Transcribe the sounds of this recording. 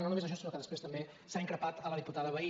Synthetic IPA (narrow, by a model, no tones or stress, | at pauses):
nonumez̬əʃ̬ɔsinokəðəspɾest̪əmbe | saiŋkɾəpat̪ələðiput̪aðəβəi